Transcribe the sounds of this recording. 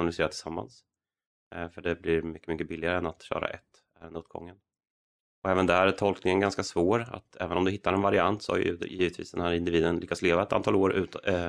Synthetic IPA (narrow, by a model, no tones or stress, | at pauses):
nalɪseːɾat̪ʰɪ̥samːa̰ns | fœɖɛblɪɾmʏkːəmʏkːəbɪlːɪaɾəɛnat̪ɕœ̰ːɾa̰ʔɛt̪ː | ɛnot̪̚ɡɔ̰ŋːən | ɔɛːvənd̪ɛɦæːɾæʈʰɔlknɪŋənɡanskasvoːɾa̰t̪ɛ̰ːvənɔmd̪ɵɦɪt̪ːaɾɛnvaɾɪant̪sɔha̰j̰ɵ̰jiːvət̪vḭːsd̪ɛnhæːɾɪnd̪ɪviːd̪ənlʏkːat̪sleːvaɛt̪ant̪ɑːloːɾʉ̟ːt̪